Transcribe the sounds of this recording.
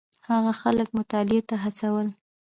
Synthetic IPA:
haɣaxalək̚mʊt̪ɑlɪet̪aɦat͡sawəl

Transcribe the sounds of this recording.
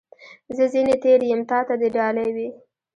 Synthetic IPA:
zəzinet̪eɾjəmt̪ɑt̪ad̪eɖɑlajwi

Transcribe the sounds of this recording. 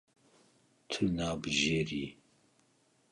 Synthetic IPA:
t̪ʰɨnaːbɨʒeːɾi

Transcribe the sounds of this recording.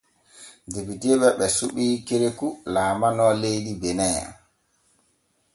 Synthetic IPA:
depitɛɓɛɓɛsuɓiːkiɾekulaːmanɔlejdibɛnɛa̰

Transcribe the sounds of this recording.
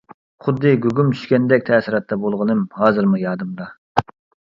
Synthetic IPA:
χʊd̪ːɨɡʲøɡʲumt͡ʃ̪ʰy̥ʃkʲɛnd̪ɛk̚ʲt̪ʰɛːsiɾɑt̪ʰːɛbolˠʁənɨmhɑːzɨɾmujɑːd̪ɨmd̪ɑ

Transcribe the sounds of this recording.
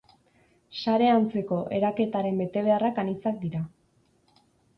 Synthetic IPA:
saɾe̞ant͡se̞ko̞ʔe̞ɾake̞t̪aɾe̞mbe̞t̪e̞βe̞arakanit͡sak̚d̪iɾa

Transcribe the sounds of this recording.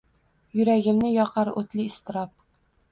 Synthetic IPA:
jɵɾæɡʲɪ̆mnɪjɒqɑɾɵt̪liːst̪ɪɾɑp̚

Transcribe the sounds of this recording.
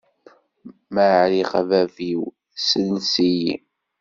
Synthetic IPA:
maɾiʁævæviw | sənsiji

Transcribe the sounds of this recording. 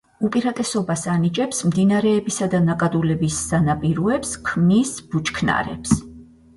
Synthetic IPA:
upʼiɾat̪ʼɛsɔbasanit͡ʃʼɛpsmd̪inaɾɛːbisad̪anakʼad̪ulɛbisːanapʼiɾuɛpskʰmnisb̥ut͡ʃʰʼkʰna̰ɾɛ̰ps

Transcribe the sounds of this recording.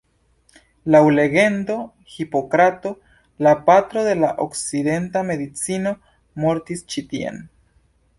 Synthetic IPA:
lawle̞ɡe̞ndo̞ | hipo̞kɾat̪o̞ | lapat̪ɾo̞ðe̞laʔokside̞ntame̞d̪it͡sino̞ | mo̞ɾt̪ist͡ʃit̪iḛn

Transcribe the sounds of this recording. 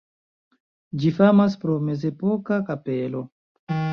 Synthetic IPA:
d͡ʒifamaspɾome̞ze̞po̞kakape̞lo̞

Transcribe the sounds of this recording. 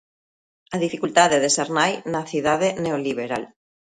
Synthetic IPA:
aðifikult̪aðeðeseɾnajnaθiðaðeneoliβ̞eɾal

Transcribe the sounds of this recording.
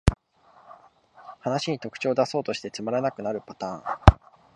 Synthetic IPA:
hanaɕiɲ̟it̪o̞kɯ̟̥t͡ɕo̞ːd̪aso̞ːt̪o̞ɕi̥t̪e̞t͡sɨmaɾanakɯ̟naɾɯ̟pḁt̪ãːŋ

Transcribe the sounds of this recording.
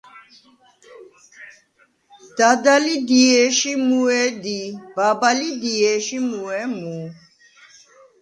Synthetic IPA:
d̪̥ad̪alid̪iɛʃimuɛd̪ibabalid̪iɛʃimuɛmu

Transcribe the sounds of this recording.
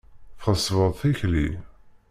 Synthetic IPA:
θχəsvəðˤθiçli

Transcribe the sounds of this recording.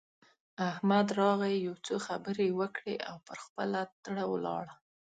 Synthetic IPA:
ahmad̪ɾɑɣajawt͡soxabəɾewəkɽḛʔa̰wpəɾxpəlat̪ɽawlɑ̰ɽa

